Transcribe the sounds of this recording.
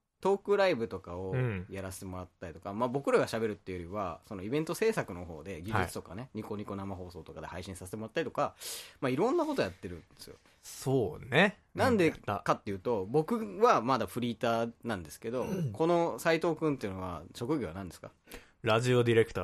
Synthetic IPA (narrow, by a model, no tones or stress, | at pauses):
t̪o̞ːkɯ̟ɾaibɯ̟t̪o̞kaõ̞jaɾase̥t̪e̞mo̞ɾat̪ːaɾʲit̪o̞kamaːbo̞kɯ̟ɾaɡaɕabe̞ɾɯ̟t̪ːe̞jo̞ɾʲiβaso̞no̞ibẽ̞nt̪o̞se̞ːsakɯ̟no̞ɦo̞ːd̪e̞ɡʲiɨt͡sɨ̥t̪o̞kane̞ɲ̟iko̞ɲ̟iko̞namaɦo̞ːso̞ːt̪o̞kad̪ehaiɕĩsaset̪emo̞ɾat̪ːaɾit̪o̞kamaiɾõ̞nːako̞t̪o̞jat̪ːe̞ɾɯ̟̃nd̪esɨ̰jo̰ | soːne | nãnd̪ekat̪ːe̞jɯ̟ːt̪o̞bo̞kɯ̟βamad̪aɸɯ̟ɾʲiːt̪aːnãnd̪e̞sɨ̥ke̞d̪o̞ko̞no̞sait̪o̞ːkɯ̃nt̪ːe̞iɯ̟no̞βa̰ɕo̞kɯ̟ɡʲoa̰nãnd̪e̞sɨ̥ka̰ | ɾaʑio̞d̪ʲiɾe̞kɯ̟t̪a